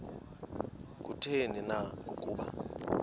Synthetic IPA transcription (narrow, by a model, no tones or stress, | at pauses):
k̬ʼutʰeninaŋɡʱokʼuːɓa̰